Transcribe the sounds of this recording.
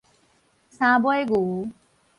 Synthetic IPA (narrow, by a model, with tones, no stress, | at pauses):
sã˧bɔ˦jɡu˨